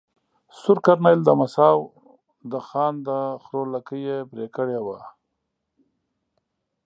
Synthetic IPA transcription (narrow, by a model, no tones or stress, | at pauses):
sʊɾkaɾnajld̪əmasɑw | d̪əxɑːnd̪əxɾolakəjebɾekəɽewa̰